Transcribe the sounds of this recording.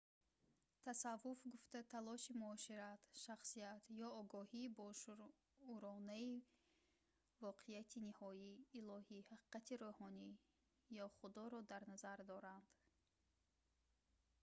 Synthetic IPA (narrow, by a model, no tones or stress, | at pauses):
t̪ʰasavːufɡuft̪at̪ʰalɔʃimuɔʃiɾat̪ʃaχsiat̪jɔːɡɔhiːbɔ | uɾɔnai | vɔqʰejat̪ʰinihɔiːlɔhihaqi̥qat̪ʰiɾohɔni | jɔχud̪ɔɾɔd̪aɾnazaɾd̪ɔɾand̪̥